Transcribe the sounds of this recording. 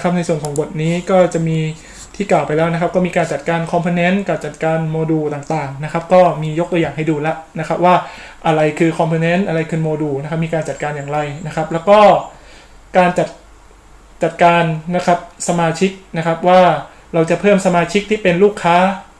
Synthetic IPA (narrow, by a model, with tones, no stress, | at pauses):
kʰa˦˥p̚na˧jsu˨˩ənkʰɔː˩˦ŋbo˨˩t̪̚niː˦˥kɔː˥˩t͡ɕa˨˩ʔmiː˧ | t̪ʰiː˥˩klaː˨˩wpa˧jlɛː˦˥wna˦˥kʰa˦˥p̚kɔː˥˩miː˧kaː˧nt͡ɕa˨˩t̪̚kaː˧nkʰɔ˧mpʰɯ˧ne˦˥nka˨˩p̚t͡ɕa˨˩t̪̚kaː˧nmoː˧duː˧t̪aː˨˩ŋt̪aː˨˩ŋna˦˥kʰa˦˥p̚kɔː˥˩miː˧jo˦˥kt̪u˧jaː˨˩ŋɦa˥˩jduː˧lɛ˦˥ʔna˦˥kʰa˦˥p̚waː˥˩ʔa˧ɾa˧jkʰɯː˧kʰɔ˧mpʰɯ˧ne˦˥nʔa˧ɾa˧jkʰɯː˧moː˧duː˧na˦kʰp̚miː˧kaː˧nt͡ɕa˨˩t̪̚kaː˧njaː˨˩ŋɾa˧jna˦˥kʰa˦˥p̚lɛː˦˥wkɔː˥˩ | kaː˧nt͡ɕa˨˩t̪̚ | t͡ɕa˨˩t̪̚kaː˧nna˦˥kʰa˦˥p̚sa˧maː˧t͡ɕʰi˦˥k̚na˦˥kʰa˦˥p̚waː˥˩ | ɾa˧wt͡ɕa˨˩pʰɤː˥˩msa˧maː˧t͡ɕʰi˦˥k̚t̪ʰiː˥˩pe˧nluː˥˩kʰːaː˦˥